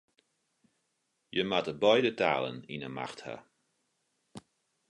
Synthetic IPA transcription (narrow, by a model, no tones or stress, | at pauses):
jəmatəbɔjdəta̰ːlˠə̰ninəma̰xtha̰